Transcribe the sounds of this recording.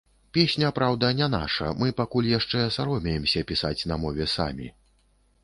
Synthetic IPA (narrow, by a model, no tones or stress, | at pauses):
pʲesʲnʲɐpɾawd̪ɐnʲɛna̰ʂɐ̰mɨpakulʲjaʂt͡ʂɛsaɾɔmʲɛjɛmsʲɐpʲisat͡sʲnɐmɔvʲɛsa̰mʲḭ